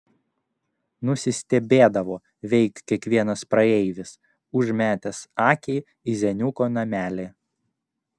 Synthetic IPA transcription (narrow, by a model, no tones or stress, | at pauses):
nʊsʲɪsʲt̪ʲɛbʲeːd̪ɐʋoː | ʋʲɛɪkt̪ʲkʲiɛkʋʲiɛnɐspɾɐɛɪʋʲɪs | ʊʒmʲæːt̪ʲɛsɑːkʲɛɪ | izʲɛnʲʊkoːnɐmʲæːlʲeː